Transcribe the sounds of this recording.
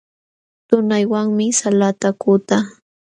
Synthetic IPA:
t̪ʊnajwaŋmɪsalat̪akʊt̪a

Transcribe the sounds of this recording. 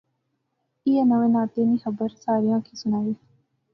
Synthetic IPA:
ɪanəʋẽːnaːt̪eːniːxəbəɾsaːɾijãːkʰiːsʊnaːʋiː

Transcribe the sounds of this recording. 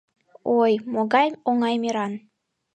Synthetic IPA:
ojmoɣɑjoŋɑjmiɾɑn

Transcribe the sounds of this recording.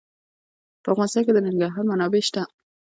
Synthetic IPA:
pəafɣɑnɪst̪ɑnked̪ənɪŋɡaɾɦɑɾmanɑbeʃt̪a

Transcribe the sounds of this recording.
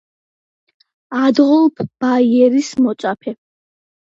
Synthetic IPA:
ad̪ʁɔlˠpʰb̥aiɛɾismɔt̪sʼapʰɛ

